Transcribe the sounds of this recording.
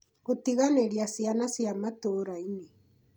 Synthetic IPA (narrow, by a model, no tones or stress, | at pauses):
otiɣaneɾjasianasiamatoɾaine